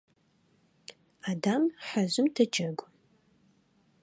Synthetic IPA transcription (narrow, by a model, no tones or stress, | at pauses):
adamħaʑʷɪmtʰɐd͡ʒɐɡʷʼ